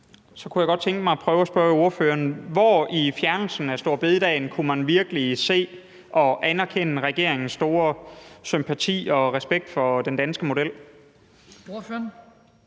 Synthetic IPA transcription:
sɒ̽kʰujaɪɡ̥ɒ̽d̥̚t͡sʰeŋɡ̥əmɑ̈ɪpʰʁœːʊæsb̥ɶɐo̝ɐføːɐnʋɒifjæɐnl̩sn̩æsd̥o̝ɐ̰b̥e̝ðˠd̥ɛ̰ɪnkʰumænʋiɐɡ̥əlise̝̰ː | ʔɒ̽ʔænæɐkʰenəʁɛɡ̥e̝ɐ̰eŋn̩sːd̥o̝ːɐsympʰæt͡sʰḭːɒ̽ʁɛsb̥eɡ̥̚d̥fɒ̽d̥end̥ænsɡ̥əmo̝d̥el̰

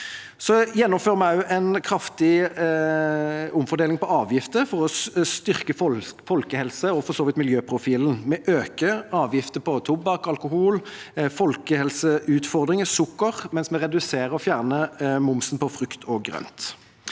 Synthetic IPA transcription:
sɔjɛnːɔmføːʁəmɑʉʔɛɪnkʰɾɑft̪ɪ | ʊmfɔd̪eːlɪŋpɔɑːʋjɪft̪əfɔʁɔst̪ʏʁkəffɔlkəhɛlsəɔfɔsoːʋɪt̪mɪljøːpʰʁʊfiːln̩mɛʔøːkəɑːʋjɪft̪əpɔt̪ʰʊbɑkɑlkʊɦuːlfɔlkəhɛlsəʔʉːt̪fɔʁd̪ʁɪŋəsʊkːəʁmɛnsmɛʁɛd̪ʉseːɾəɔfjæːʁnəmʊmsnpɔfʁʉkt̪ʰɔɡʁœ̰nt̪

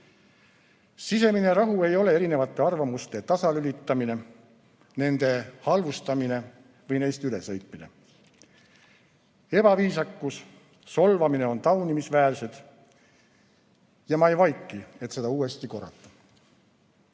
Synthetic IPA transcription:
sise̞mine̞ɾɑɦue̞jo̞le̞eɾine̞vɑt̪ˑːe̞ɑrvɑmust̪e̞t̪ɑsɑlylʲit̪ːˑɑmine̞ | ne̞nd̪e̞hɑlvust̪ɑmine̞ | vɤjne̞jst̪yle̞sɤ̞jt̪ˑmine̞ | e̞b̥ɑviːsɑkːus | so̞lvɑmine̞o̞nt̪ɑwnimisvæːlse̞d̪̥ | jɑmɑejvɑjkːˑie̞t̪se̞d̪ɑuːe̞st̪iko̞rːɑ̰t̪ːˑɑ̥

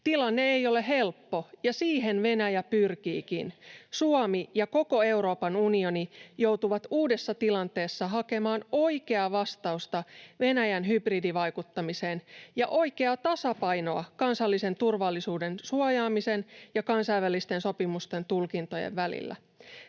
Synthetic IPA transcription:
t̪ilɑnːe̞eijo̞le̞ɦe̞lpːo̞jɑsiːɦe̞nʋe̞næjæpyrkiːkḭnsuomijɑko̞ko̞e̞wɾo̞ːpɑnunio̞nijo̞wt̪uʋɑt̪uːdesːɑt̪ilɑnt̪e̞ːsːɑɦɑke̞mɑːno̞jke̞ɑʋɑst̪ɑust̪ɑʋe̞næjænɦybridiʋɑjkut̪ːɑmiseːnjɑʔo̞jke̞ɑt̪ɑsɑpɑjno̞ɑkɑnsɑlːise̞nt̪urʋɑlːisuːde̞nsuojɑːmise̞njɑkɑnsɑjʋælːist̪e̞nso̞pimust̪e̞nt̪ulkint̪o̞jḛʋʋælḭlːæ̰

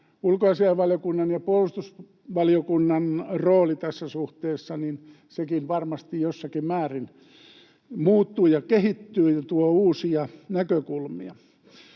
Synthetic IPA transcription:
ulkoɑsiɑʋɑljokunːɑnjɑpuolust̪us | ʋɑliokunːɑnroːlit̪æsːæsuht̪eːsːɑnin | sekinʋɑrmɑst̪ijjosːɑkimmæːrin | muːt̪ːuːjɑkehit̪ːyːt̪uouːsiɑnækøkulmḭɑ

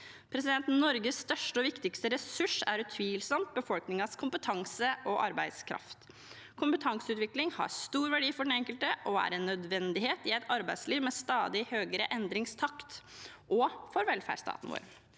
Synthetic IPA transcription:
pʰɾɛsɪd̪ɛnt̪n̩nɔɾɡəsːt̪œʂʈəɔʋɪkt̪ɪkst̪əɾɛsʉʂæ̰ɾʉt̪ʰʋiːlsɔmt̪̚bəfɔlknɪŋɑskʰʊmpət̪ʰɑŋsəʔɔʔɑ̰ɾbæɪd̪skʰɾɑ̰ft̪ | kʰʊmpət̪ʰɑŋsəʉːt̪ʋɪklɪŋhɑ̰st̪uːɾʋæɖiːfɔɖɛnɛŋkəlt̪əʔɔæ̰ɾɛnːœd̪ʋɛnd̪ɪheːt̪ɪɛɪt̪ʰɑɾbæɪd̪sliːʋmeːst̪ɑːd̪ɪhøːɡəɾəʔɛnd̪ɾɪŋst̪ʰɑkt̪ʔɔfɔɾʋɛlfæ̰ːɖst̪ʰɑ̰ːt̪ən̩ʋo̰ːɾ

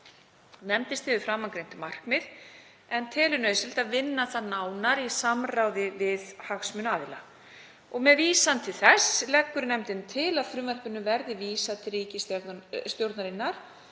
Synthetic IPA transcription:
nɛmt̪ɪst̪θɪvʏfɾamːankɾejnt̪ʏmar̥kmɪð̥ | ɛnt̪ʰɛːlʏnœːsɪlt̪aðvɪnːaθaðnaːwnaɾisamrawðɪvɪðhaxsmʏnaːðɪla | ɔɣmɛðviːsant̪ʰɪlθɛslɛkːʏɾnɛmt̪ɪnt̪ʰɪlaðfɾʏmvar̥pʏnːʏvɛɾðɪviːsat̪ɾiːcɪsst̪jowɾt̪naɾɪnːaɾ̥

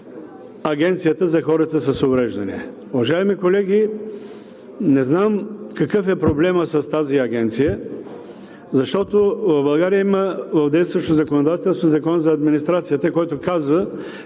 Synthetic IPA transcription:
ɐɡʲɛnt̪sijət̪əzɐxɔɾət̪əsɐsovɾɛʒd̪ɐnḭ | ʊvɐʒaɛmikolɛɡʲi | nɛznamkɐkɤfɛpɾoblɛməsɐst̪aziɐɡʲɛnt̪sijə | zɐʃt̪ɔt̪ovɐvbɐlˠɡaɾijəiməvɐvd̪ɛjst̪vɐʃt̪ozɐkonod̪at̪ɛlˠst̪ozɐkɔnzɐːd̪minist̪ɾat̪sijət̪əkɔjt̪ʊkazvə

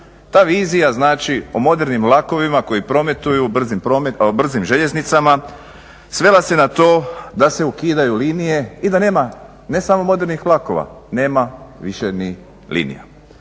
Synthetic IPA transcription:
t̪aːʋiːzijaznaːt͡ʃiomo̞d̪eɾnimlˠako̞ʋimako̞jipɾo̞me̞t̪ujubr̩zimpɾomebr̩zimʒe̞ʎe̞znit̪sama | sʋe̞lase̞nat̪o̞ːd̪ase̞ukiːd̪ajuliːnije̞id̪ane̞ːma | ne̞samo̞mo̞d̪e̞ɾnixlˠako̞̰ʋa̰ | ne̞ːmaʋiʃeni | lḭːnḭja̰

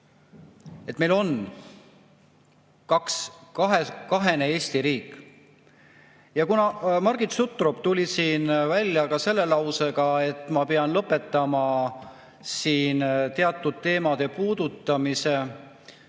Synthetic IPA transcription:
et̪ːme̞jlo̞n | kɑkskɑɦekɑɦe̞ne̞e̞ːst̪iɾiːkːˑ | jɑkunɑmɑrɡ̥it̪sut̪ːˑrob̥t̪ulʲisiːnvælʲjɑkɑse̞lːe̞lɑwse̞ɡɑe̞t̪ˑːmɑpeɑnlɤpːˑe̞t̪ːˑɑmɑ | siːnt̪e̞ɑt̪ːˑud̪̥̚t̪ːe̞ːmɑd̪̥e̞puːd̪̥ut̪ːˑɑmise̞

